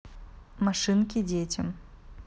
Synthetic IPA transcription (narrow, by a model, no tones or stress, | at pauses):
maʂɨnkʲid͡zʲet͡sʲɐm